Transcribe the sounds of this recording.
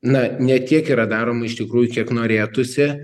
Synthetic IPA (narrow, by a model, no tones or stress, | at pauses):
nɐnʲɛt̪ʲiɛkiːɾɐd̪ɑːɾoːmɐɪʃt̪ʲɪkɾuːjʊkʲiɛknoːɾʲeːt̪ʊsʲɪ